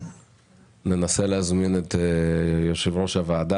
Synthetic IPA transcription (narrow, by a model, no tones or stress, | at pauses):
ne̞nase̞leazminet̪ejoʃevʁo̞ʃavaːd̪a